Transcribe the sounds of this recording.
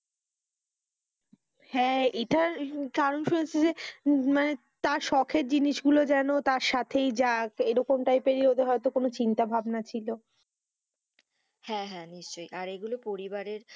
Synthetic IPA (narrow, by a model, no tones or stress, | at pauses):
hɛ̃eʈaɾkaɾonʃunet͡ɕʰed͡ʑemane | t̪aɾʃɔkʰeɾ̚d͡ʑiniʃɡulod͡ʑɛnot̪aɾʃat̪ʰejd͡ʑakeɾɔkomʈajpeɾiɾod̪ʱeɦɔet̪okonot͡ɕint̪abʱabnat͡ɕʰilo | hɛ̃ɦɛ̃niʃt͡ɕojaɾeɡulopoɾibaɾeɾ